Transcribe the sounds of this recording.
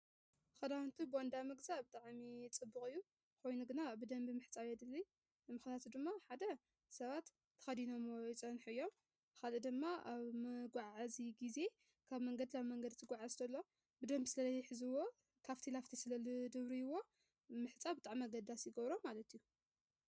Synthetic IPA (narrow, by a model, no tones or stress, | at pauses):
xɐd̪awnt̪ʰubɨɔnd̪amɨɡzabɨt̪ʼaʕmit͡sʼɨbːɨkʼɨjːu | ko̞jnuɡɨnabɨd̪ɐmbɨmɨħt͡sʼaβjɛd̪ɨlːi | mɨxnjat̪ʰud̪ɨmːaħad̪ɐ | sɐβat̪ʰː | ɐ̥xɐd̪ino̞mɪt͡sʼɐnħuɨjːo̞m | kalɨd̪ɨmːaʔaβmɐɡʷaʕʕaziɡize̞ | kʰaβmɐŋɡɐd̪ilaβmɐŋɡɐd̪t̪ʰɨɡʷaʕazt̪ʰɐlːo̞ | bɨd̪ɐmbsɨlɐlɐjħɨzɨwo̞ | kʰaft̪ʰilaft̪ʰisɨlɐld̪ɨβɾiɨwːo̞ | mɨħɨt͡sʼabɨt̪ʼaʕmiaɡɐd̪asjɪɡɐβɾomalɐt̪ʰijːu